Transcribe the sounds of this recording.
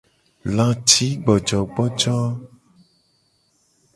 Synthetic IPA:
lã˨t͡ʃi˦ɡ͡bɔ˨d͡ʒɔ˨ɡ͡bɔ˦d͡ʒɔ˦

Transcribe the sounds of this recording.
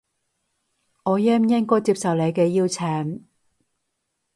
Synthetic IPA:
ŋɔː˨˧jɛː˥mjɪ˥ŋkɔː˥jt͡siː˧p̚sɐ˨wle˨˧jkɛː˧jiː˥wt͡sʰɛː˨˩ŋ

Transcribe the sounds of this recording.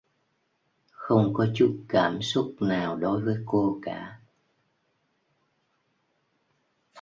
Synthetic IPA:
xə˧wŋ͡mkɔ˨˦t͡ɕu˦˥t̚kaː˧˩msʊ˦˥t̚naː˨˩wɗo˨˦jvəː˨˦jko˧kaː˧˩˨

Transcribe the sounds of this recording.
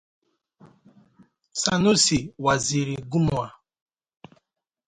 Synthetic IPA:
sa˦nu˦si˨wa˨zi˨ɾi˨ɡu˦mu˨a˨

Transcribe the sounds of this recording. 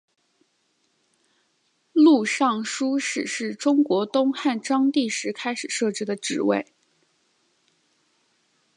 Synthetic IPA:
lu˥˧ʂɑ˥˩ŋʂu˥ʂɻ̩˨˩ʂɻ̩˥˩ʈ͡ʂʊ˥ŋkwɔ˧˥t̪ʊ˥ŋxa˥˩nʈ͡ʂɑ˥ŋt̪i˥˩ʂɻ̩˧˥kʰa˥ɪʂɻ̩˨˩ʂɤ˥˩ʈ͡ʂɻ̩˥d̪ə˨ʈ͡ʂɻ̩˧˩wḛ˥˩ɪ

